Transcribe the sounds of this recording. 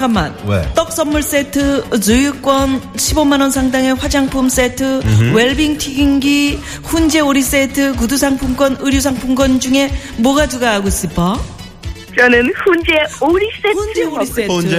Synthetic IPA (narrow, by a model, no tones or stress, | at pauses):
kamːa̰nwḛt͈ʌk̚s͈ʌmːuɭs͈e̞tʰɯt͡ɕɯjuk͈wʌnɕʰibomːanwʌnsʰaŋdaŋe̞ɸwad͡ʑaŋpʰums͈etʰɯweɭbiŋtʰiɡiŋɡi | ɸund͡ʑe̞oɾis͈etʰɯk̬udusʰaŋpʰumɡʌnɯɾjus̬ʰaŋpʰumɡʌnd͡ʑuŋe̞ | mwʌɡaduɡaɦːɡoɕ͈ip͈ʰʌ | t͡ɕʌnɯnɸund͡ʑeoɾis͈eueoɾie